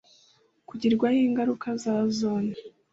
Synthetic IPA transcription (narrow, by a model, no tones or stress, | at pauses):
kuɟiɾɡwahiːŋɡaɾukazaːzoːne